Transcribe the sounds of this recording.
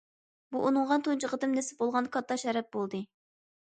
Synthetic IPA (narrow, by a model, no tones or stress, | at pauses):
buʔunɨŋʁɑnt̪ʰont͡ʃəʁəd̪ɨmnɛsɪ̥bolˠʁɑnkʰɑt̪ʰːɑʃɛɾɛp̪̚bolˠd̪ɨ